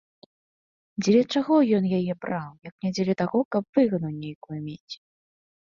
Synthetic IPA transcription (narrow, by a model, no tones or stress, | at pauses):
d͡zʲɛlʲɛt͡ʂaɣɔjɔnjajɛbɾawjɐknʲad͡zʲɛlʲɛt̪aɣɔkɐp̚v̥ɨɣɐnɐwnʲejkujumʲet͡sʲ